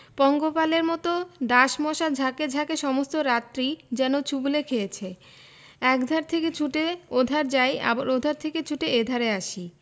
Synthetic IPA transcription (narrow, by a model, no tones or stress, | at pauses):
pɔŋɡopaleɾmɔt̪oɖaʃmɔʃad͡ʑʱaked͡ʑʱakeʃɔmost̪oɾat̪ːɾid͡ʑɛnot͡ɕubulekʰejet͡ɕʰe | ɛkd̪ʱaɾt̪ʰeket͡ɕʰuʈeod̪ʱaɾd͡ʑaja̰baɾod̪ʱaɾt̪ʰeket͡ɕʰuʈeed̪ʱaɾeaʃi